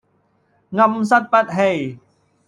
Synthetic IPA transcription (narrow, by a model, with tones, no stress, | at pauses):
ŋa˧ms̬a˦˥t̪̚pɐ˦˥t̪̚ɦe˧˩j